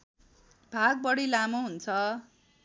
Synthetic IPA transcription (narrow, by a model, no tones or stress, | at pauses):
bʱak̚bʌɽilamoɦunt͡sʰʌ